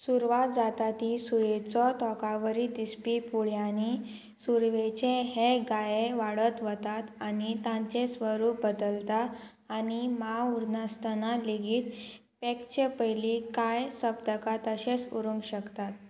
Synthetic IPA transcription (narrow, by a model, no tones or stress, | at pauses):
suɾʋat̪̚d͡zat̪at̪isujet͡sɔt̪ɔkaʋəɾid̪ispipuɭjani | suɾʋet͡ɕeɦeɡajeʋaɽət̪ʋət̪at̪anit̪ãɲt͡sẽsʋəɾup̚bəd̪əlt̪aː | nimauɾnast̪analeɡiːt̪ | pɛkt͡ɕepəjlikajsəbd̪əkat̪əɕesṵɾũŋɡɕəkt̪at̪̚